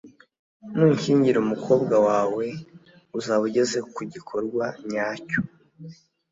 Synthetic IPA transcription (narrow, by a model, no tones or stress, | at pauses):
nuːɲciːɲɟiɾumukʰo̞ːbɡawaːwe̞ | uzaːβuɟe̞ze̞kuɟikʰo̞ɾɡwaɲaːco̥